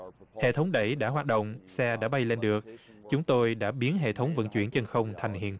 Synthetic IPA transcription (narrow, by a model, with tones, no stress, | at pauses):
hḛ˧˨t̪ʰə˨˦wŋ͡mɗə˧˩jɗa̰ː˧˥ɦwaː˨˩t̚ɗə̰˧˨wŋ͡msɛ˧ɗa̰ː˧˥ɓa˧jle˧nɗɨ˨˩ək̚ | t͡ɕʊ˨˦ŋ͡mt̪o˧jɗa̰ː˧˥ɓi˨˦ənɦḛ˧˨t̪ʰə˨˦wŋ͡mvə̰˧˥nt͡ɕwḭ˧˩ənt͡ɕə˧˩nxə˧wŋ͡mt̪ʰa˨˩jŋɦḭ˧˨ən